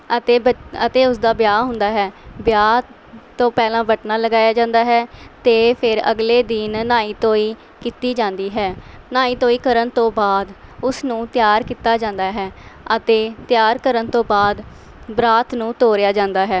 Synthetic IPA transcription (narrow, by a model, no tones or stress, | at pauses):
ət̪eːəət̪eːʊsd̪aːbjaːɦʊ̃nd̪aːɦɛːbjaː | t̪õːpɛːlãːbəʈnaːləɡaːjaːd͡ʒãːnd̪aːɦɛːt̪eːpʰɪɾə̰ɡleːd̪ɪːnnaːiːt̪õːiː | kiːt̪iːd͡ʒãːnd̪iːɦɛːnaːiːt̪õːiːkəɾənt̪õːbaːd̪ʊsnũːt̪ɪjaːɾkiːt̪aːd͡ʒãːnd̪aːɦɛːət̪eːt̪jaːɾkəɾənt̪õːbaːd̪ | bɾaːt̪nũːt̪oːɾɪjaːd͡ʒãːnd̪aːɦɛː